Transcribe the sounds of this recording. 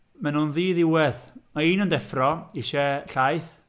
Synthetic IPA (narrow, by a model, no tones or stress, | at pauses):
mɛnunðiːðɪwɛðmaiːnəndɛfrɔiʃɛɬajθ